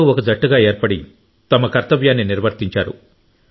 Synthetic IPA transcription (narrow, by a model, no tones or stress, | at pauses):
uɔkɐd͡ʒɐʈːuɡaːe̞ːɾpɐɽi | t̪ɐmɐkɐɾt̪ɐʋjaːnːiniɾʋɐɾt̪iɲt͡ʃaːɾṵ